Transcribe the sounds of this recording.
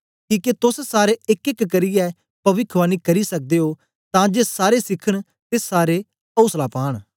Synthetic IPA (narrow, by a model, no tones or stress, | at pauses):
kiːket̪ʊssaːɾeːɪkɪkːəɾiːɛː | pɐʋɪkʰʋaːniːkəɾiːsək̚d̪eːɦoː | t̪ãːd͡ʒeːsaːɾesɪkʰəɽ̃ | t̪esaːɾeː | əʊslaːpaːɽ̃